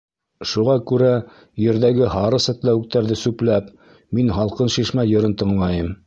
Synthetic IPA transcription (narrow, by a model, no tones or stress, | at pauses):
ʃuʁɑkʉɾæ | jɘ̆ɾðæɡɘɦɑɾɤsæt̪læwɘ̆k̚t̪æɾðɘsʉplæp | minɦɑlˠqɤnʃiʃmæjŏɾɤnt̪ɤ̆ɴlˠɑjɤm